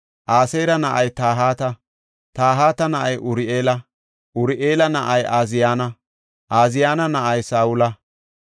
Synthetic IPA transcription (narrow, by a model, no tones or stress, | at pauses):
ʔaːsejɾɐnɐʔɐjt̪aːɦaːt̪ɐ | t̪aːɦaːt̪ɐnɐʔɐjʔʊɾɪʔeːlɐ | ʔʊɾɪʔeːlɐnɐʔɐjaːzɪjaːnɐ | ʔaːzɪjaːnɐnɐʔɐjsaːwʊlɐ